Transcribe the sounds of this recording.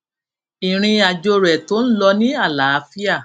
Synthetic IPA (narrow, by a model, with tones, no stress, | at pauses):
i˨ɾ̃ĩ˧a˨d͡ʒo˧ɾɛ˨to˦n̩˦lɔ˧nĩ˦a˦˨la˨˦fi˦a˦˨